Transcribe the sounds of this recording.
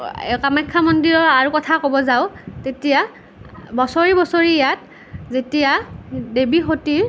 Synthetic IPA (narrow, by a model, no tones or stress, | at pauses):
kamakʰːamɔndiɹɔaɹukɔtʰakobɔzaʊtetija | bɔsoɹibɔsoɹijat̚ | zetijadebixotiɹ